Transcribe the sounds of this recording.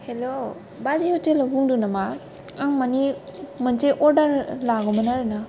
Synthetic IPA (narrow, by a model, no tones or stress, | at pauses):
helo | bazihutelabuŋdunama | aŋmanimanteʔɔɾdaɾlaɡɔmanaɾana